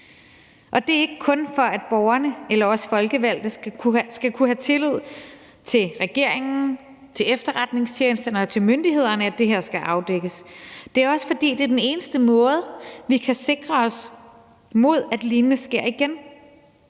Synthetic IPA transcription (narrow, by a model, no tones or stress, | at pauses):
ʔɒ̽d̥e̝æɐe̝ɡ̥əkʰɔ̽nfɒ̽æd̥̚b̥ɒʊɐnəelɐɒ̽sfɒ̽lɡ̥əʋæl̰d̥ð̩ʰsɡ̥ækʰuɦæt͡sʰe̝lyð̞̰ˠ | t͡sʰe̝lʁɛɡ̥e̝ɐ̰eŋn̩ | t͡sʰe̝lefd̥ɐʁad̥ne̝ŋsʰjeːnsd̥ɐnəɒ̽t͡sʰe̝lmønd̥iɦe̝ð̞̰ˠɐnəæd̥e̝ɦeɐ̰sɡ̥æʔɑ̈ʊd̥eɡ̥əsd̥e̝æɐɒ̽sə̥fɒ̽d̥ḭːd̥e̝d̥ene̝ːnəsd̥əmɔ̽ːð̞̩ˠʋikʰæse̝ɡ̥ʁɐɒ̽s | mo̝ð̞̰ˠæd̥liːnənəsɡ̥e̝ɐ̰iɡ̥en